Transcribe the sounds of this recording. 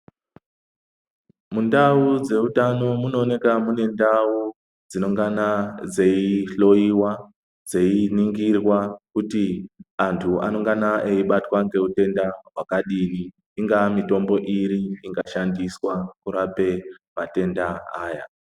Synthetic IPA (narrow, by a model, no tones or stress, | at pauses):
mundaud͡ze̞utano̞muno̞ne̞kamune̞ndau | d͡zino̞ŋɡanad͡ze̞iɬo̞iwa | d͡ze̞iniŋɡirwakutiantʰua̰no̞ŋɡanaʔeiɓatwaŋɡe̞ute̞ndawakaɗiniː | ŋɡamito̞mbo̞ʔiɾiiŋɡaʃandiswakuɾape̞mate̞ndaaːja̰